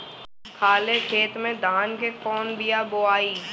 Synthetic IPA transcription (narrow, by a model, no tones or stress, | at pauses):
kʰaːlekʰeːt̪mẽd̪ʱaːnkekɔːnbijaboaːiː